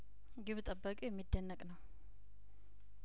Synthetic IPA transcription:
ɡɨβt̪ʼəbːəkʼijɛmːid̪ːənːəkʼnəw

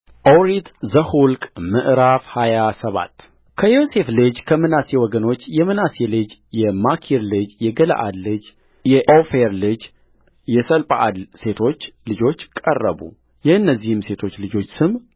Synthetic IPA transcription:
ʔowɾit̪zəhulkʼmɨʔɾafhajasəβa̰t̪ː | kʰəjo̞se̞flɨd͡ʒkʰəmɨnasewɔɡəno̞t͡ʃːjɛmɨnaselɨd͡ʒjɛmakʰiɾlɨd͡ʒjɛɡəla̰ʔa̰d̪lɨd͡ʒ | jɛʔofeɾlɨd͡ʒ | jɛsəlpʼaʔa̰d̪se̞t̪ʰo̞t͡ʃːlɨd͡ʒo̞t͡ʃːkʼərːə̰bṵ | jɛhɨnːəzːihɨmse̞t̪ʰo̞t͡ʃːlɨd͡ʒo̞t͡ʃːsɨm

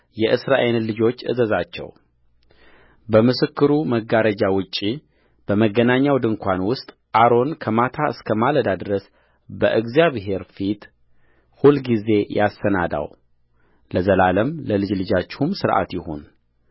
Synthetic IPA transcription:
jɛʔɨsɾaʔellɨd͡ʒo̞t͡ʃːʔɨ̰zəzat͡ʃːɛ̰w | bəmɨsɨkːɨɾuməɡːaɾəd͡ʒawʊt͡ʃʼːi | b̥əməɡːənaɲːawd̪ɨŋkʰʷanwʊst̪ʼ | ʔaɾo̞nkʰəmat̪ʰaɨ̰skʰəmaləd̪ad̪ɾəs | bəʔɨɡzijaβɦe̞ɾfit̪ | hulɡize̞jasənad̪a̰w | ləzəlaləmləlɨd͡ʒlɨd͡ʒat͡ʃːɪ̥humsɨɾʔa̰t̪jɪho̞̰n

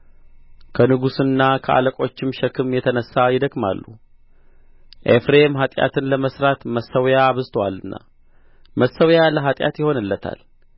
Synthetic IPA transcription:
kʰənɨɡusɨnːakʰəʔa̰ləkʼo̞t͡ʃːɪmʃəkʰɨmjɛt̪ʰənəsːajɪd̪əkʼma̰lːṵ | ʔefɾemɦat̪ʼja̰t̪ʰɨnləməsɾat̪məsːəwjaːβɨzt̪ʰəwalːɨnːa̰ | məsːəwjaləɦat̪ʼja̰t̪jɪho̞nɨlːət̪ʰa̰l

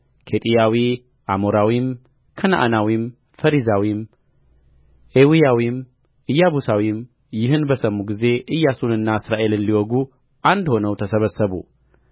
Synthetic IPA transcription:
kʰe̞t̪ʼijawi | ʔamoɾawim | kʰɐna̰ʔa̰nawim | fɐɾizawim | ʔewijawim | ʔɨjːaβusawim | jɪɦɨnbəsəmːuɡize̞ʔɨjːasunɨnːaɨsɾaʔe̞lɨnliwɔɡu | ʔand̪ho̞nəwt̪ʰəsəβəsːəβṵ

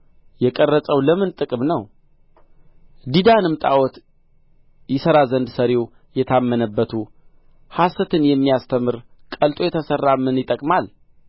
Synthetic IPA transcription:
jɛkʼərːəsʼəwləmɨnt̪ʼɨkʼɨmnəw | d̪id̪anɨmt̪ʼa̰wɔt̪ | jɪsəɾazənd̪səɾew | jɛt̪ʰamːənəbːət̪ʰu | hasət̪ʰɨnjɛmːijast̪ʰəmɨɾkʼəlt̪ʼo̞jɛt̪ʰəsərːamːɨnjɪt̪ʼːəkʼmal

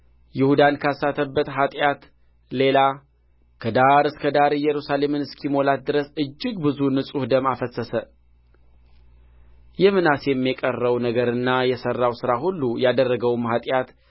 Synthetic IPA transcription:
jɪhud̪ankʰasat̪ʰəbːət̪ɦat̪ʼjat̪ | le̞la | kʰəd̪aɾɨskʰəd̪aɾɨjɛɾusale̞mɨnɨskʰimo̞lat̪̚d̪ɨɾəsɨd͡ʒːɪɡbɨzunɨsʼuhd̪əmafəsəsə | jɛmɨnasjɛmːikʼərːəwnəɡəɾɨnːajɛsərːawsɨɾaɦulːujad̪ərːəɡəwmɦat̪ʼjat̪

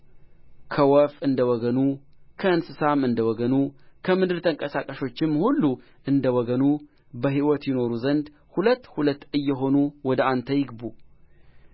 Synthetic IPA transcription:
kʰəwɔfɨnd̪əwɔɡənu | kʰəɨnsɨsamɨnd̪əwɔɡənukʰəmɨd̪ɨɾt̪ʰəŋkʼəsakʼəʃo̞t͡ʃːɪmhulːu | ʔɨnd̪əwɔɡənu | bəɦiwɔt̪jɪno̞ɾuzənd̪ | hulət̪ːhulət̪ːɨjːɛɦo̞nuwɔd̪əant̪ʰəjɪɡbu

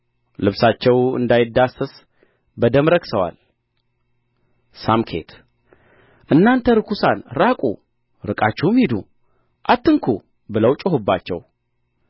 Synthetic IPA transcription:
lɨβsat͡ʃːɛwɨ̰nd̪ajɪd̪ːasɨs | bəd̪əmɾəksəwa̰l | samkʰḛt̪ʰ | ʔɨnːant̪ʰəɾɨkʰusanɾakʼṵ | ɾɨkʼat͡ʃːɛwmhid̪ṵ | ʔat̪ːɨŋkʰu | bɨləwt͡ʃʼəɦubːat͡ʃːɛ̰w

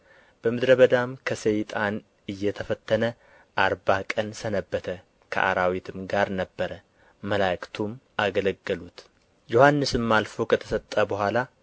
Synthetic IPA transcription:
b̥əmɨd̪ɾəβəd̪amkʰəsəjt̪ʼan | ɨjːɛt̪ʰəfət̪ʰːənə | ʔaɾbakʼənsənəbːət̪ʰə | kʰə̰ʔa̰ɾawit̪ʰɨmɡaɾnəbːəɾə | məlakt̪ʰumʔaɡələɡːəlut̪ | johanːɨsɨmːalfo̞kʰət̪ʰə̥sət̪ʼːəbəhʷala

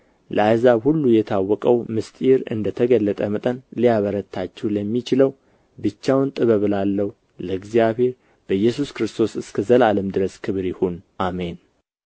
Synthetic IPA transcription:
ləajzahulːujɛt̪ʰawːɔkʼəwmɨst̪ʼiɾɨ̰nd̪ət̪ʰəɡəlːət̪ʼəmət̪ʼənlijaβəɾət̪ʰːat͡ʃːɛwləmːit͡ʃɪləw | bɨt͡ʃːawnt̪ʼɨβəβɨlalːəhu | ləɨɡzijaβhe̞ɾ | b̥əjːɛsuskɾɨst̪ʰo̞sɨskʰəzəlaləmd̪ɨɾəskʰɨβɾjɪhonʔamen

